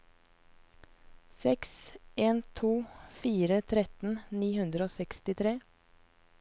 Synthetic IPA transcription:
sɛkseːnt̪ʰuːfiːɾət̪ʰɾɛt̪n̩niːhʉnd̪ɾəoːsɛkst̪ɪt̪ʰɾeː

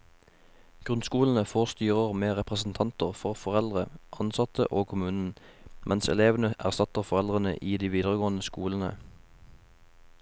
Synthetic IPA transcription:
ɡ̥ʁʉnskuːln̩əfoːʁst̪yːʁəʁmeːʁɛpʁəsn̩t̪ʰɑnt̪əʁfɔʁfɔʁɛld̪ʁəʔɑnsɑt̪ə̰ʔoːkʰʊmʉːnn̩ | mʔɛnsɛ̰leːʋnəʔæʁsɑt̪əʁfɔʁɛld̪ʁənə̰ʔiːd̪iːʋiːd̪əʁəɡoːn̩əskuːln̩ə̰

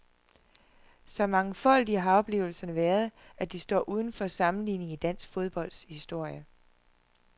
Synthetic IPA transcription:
sɒ̽mɑ̈ŋəfɒ̽l̰d̥iəɦɑ̈ɒ̽b̥le̝̰ːʊl̩sɐnəʋæːɐð̞ˠæd̥isd̥ɒ̰ːʔuːð̞ˠn̩fɒsɑ̈mn̩lḭːne̝ŋid̥æn̰sɡ̥fo̝ð̞ˠb̥ɒ̽l̰d̥shisd̥o̝ɐ̰jə

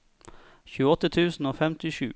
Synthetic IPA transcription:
çʉːəɔt̪ːət̪ʰʉːsn̩oːfɛmt̪ɪʃʉ̰ː

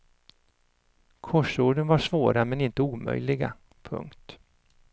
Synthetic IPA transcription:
kʰɔʂoːɖənvaʂvoːɾamɛnɪnt̪əuːmœ̰jlɪɡa̰ | pʰɵ̰ŋkt̪

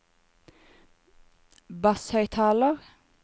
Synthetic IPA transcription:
bɑshœʏt̪ʰɑːləʁ

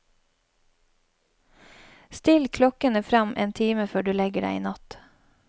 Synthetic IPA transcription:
st̪ɪlkʰlɔkənəfɾɑmʔḛːnt̪ʰiːməføːɖʉːlɛɡəɖæ̰ɪḭːnɑt̪

